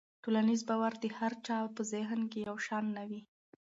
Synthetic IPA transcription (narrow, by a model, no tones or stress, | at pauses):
ʈolanizbɑwaɾd̪əhaɾt͡ʃɑwpəzɪɦnkejawʃɑnːawi